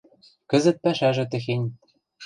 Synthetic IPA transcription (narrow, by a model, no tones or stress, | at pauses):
kɘ̆zɘ̆t̪̚pæʃæʒɘ̆t̪̬ɘ̆xenʲ